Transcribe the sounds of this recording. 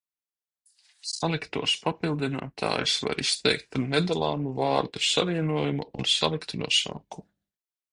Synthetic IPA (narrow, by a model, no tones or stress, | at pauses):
salˠikt̪uɔspapilˠd̪ina̰ːt̪ʰa̰ːjusva̰ɾist̪ɛjk̚t̪ned̪alˠɑːnuvɑːɾd̪usaviɛnuɔjumuʔunsa̰lˠikt̪unṵɔsa̰ːku̥